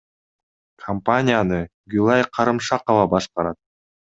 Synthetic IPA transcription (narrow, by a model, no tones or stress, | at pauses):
kʰɐmpanʲɪjanɯɡylˠajqʰɑɾɯmʃɑqəvɑbɑʃqɑɾɑt̪̚